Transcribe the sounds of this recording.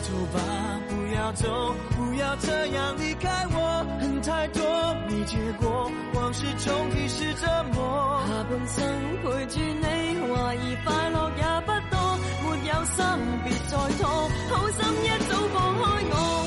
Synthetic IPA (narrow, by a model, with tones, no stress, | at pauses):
t͡so˨˩paː˨˧˥ | ku˨˩jaː˨˧t͡so˨˥ku˨˩jaː˧wt͡sʰə˥jaː˨˩ni˨˧kaː˧˥jwɔː˨˧h̩˨˧˩ŋt̪ʰaː˧jt̪ɔː˥miː˨˩t͡ʃyː˨˧kʷɔː˨˥ | waː˨˩ŋsyː˧˥t͡so˨˧˥ŋki˨˧sy˧t͡sə˥t̚mɔː˧˥haː˨˩pu˨˧nsɐ˥ŋkʊ˨˧˥t͡ʃyː˧ne˨˧jwaː˨˩jiː˨˩faː˧jlɔː˨k̚jaː˨˧pɐ˥t̚t̪ɔː˥ | muː˨˧t̬̚jɐ˧wsɐ˥˨˩piː˨˧t̚t͡sɔː˨˧jt̪ʰɔ˥ho˨˧˥wsɐ˥mjɐ˥t̚t̪o˥wfɔː˨˧hɔː˥jŋɔː˧